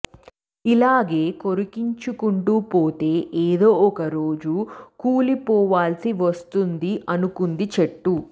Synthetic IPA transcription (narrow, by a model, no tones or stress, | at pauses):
ilaːɡe̞ːkoɾukiɲt͡ʃukuɳʈuːpoːt̪e̞ːʔeːd̪o̞ːɔkɐɾo̞ːd͡ʒukuːlipɔːʋaːlsiʋɐst̪und̪iʔɐnukund̪it͡ʃeʈːu